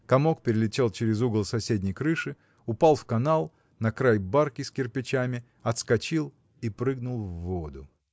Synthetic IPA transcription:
kɐmo̞k̚pʲɪɾʲɪlʲɪtʲe̞lˠt͡ɕɪɾʲɪzuɡəlˠsɐsʲedʲnʲɪjkɾɨʂɨ | ʊpalˠfkɐnalˠ | nɐkɾajbarkʲɪsʲkʲɪrpʲɪt͡ɕamʲɪ | ɐt̪skɐt͡ɕilˠ | ipɾɨɡnʊlˠvːod̪ʊ

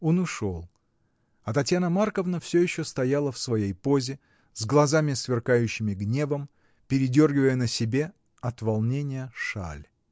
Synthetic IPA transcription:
onʊʂo̞lˠ | ɐt̪ɐtʲjanəmarkəvnəfsʲɵjɪɕːost̪ɐjalˠəfsvɐjejpo̞zʲɪ | zɡlˠɐzamʲɪsvʲɪrkajʉɕːɪmʲɪɡnʲe̞vəm | pʲɪɾʲɪdʲo̞rɡʲɪvəjənəsʲɪbʲe̞ | ɐt̪vɐlˠnʲenʲɪjəʂa̰lʲ

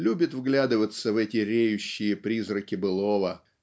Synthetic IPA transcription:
lʲubʲɪt̪vɡlʲad̪ɨvət̪səvɛtʲɪɾʲejʉɕːɪjəpɾʲizɾəkʲɪbɨlˠovə

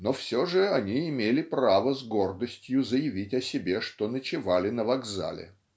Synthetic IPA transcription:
nofsʲoʐɨɐnʲiɪmʲelʲɪpravəzɡo̞rd̪əsʲtʲjʊzəjɪvʲitʲɐsʲɪbʲeʂt̪onət͡ɕɪvalʲɪnəvɐɡza̰lʲɪ̰

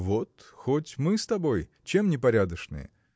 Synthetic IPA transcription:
vot̪xotʲmɨst̪ɐbo̞j | t͡ɕemnʲɪpɐɾʲad̪əʂnɨ̰jə̰

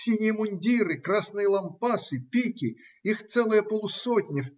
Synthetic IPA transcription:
sʲinʲɪjəmʊnʲdʲiɾɨkɾasnɨjəlˠɐmpasɨpʲikʲɪ | ixt̪sɛlˠɨjəpolˠʊsot̪ʲnʲɪf

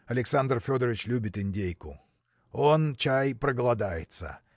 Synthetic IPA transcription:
ɐlʲɪksand̪rfʲo̞d̪əɾəɪt͡ɕlʲubʲɪt̪ɪnʲdʲejkʊ̰ | o̞nt͡ɕajpɾəɡəlˠɐd̪ajɪ̰t̪sə̰

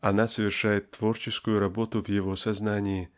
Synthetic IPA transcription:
anasəvʲɪrʂajɪt̪ːv̥ɔrt͡ʃɪskʊjuɾabɔt̪ʊvjɪvɔsaznanʲiji

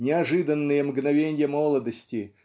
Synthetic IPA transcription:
nʲɪɐʐɨd̪ənːɨjəmɡnɐvʲenʲɪjəmolˠəd̪əsʲtʲɪ

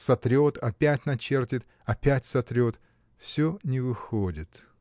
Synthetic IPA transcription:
sɐt̪ɾʲo̞t̪ɐpʲætʲnɐt͡ɕe̞rtʲɪt̪ | ɐpʲætʲsɐt̪ɾʲo̞t̪ | fsʲonʲɪvɨxodʲɪt̪

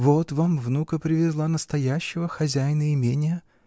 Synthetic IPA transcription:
vot̪vamvnukəpɾʲɪvʲɪzlˠanəst̪ɐjæɕːɪvəxɐzʲæjnəɪmʲenʲɪjə

